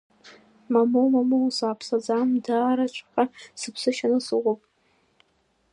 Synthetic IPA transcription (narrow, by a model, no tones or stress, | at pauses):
mamowmamowsaːpʰsad͡zamdaːɾat͡ʃʷʰʼqasɨpʰsɨʃanɨsɨʁʷopʼ